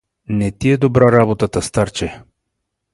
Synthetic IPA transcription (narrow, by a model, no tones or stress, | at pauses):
nɛt̪iɛd̪obɾaɾabot̪at̪əst̪aɾt͡ʃɛ